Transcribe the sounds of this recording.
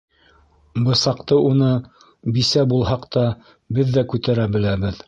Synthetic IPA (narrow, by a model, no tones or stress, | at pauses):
bɤ̆sɑqt̪ɤʔunɤ | bisæbulˠɦɑqt̪ɑ | bɘðːækʉt̪æɾæbɘ̆læbɘð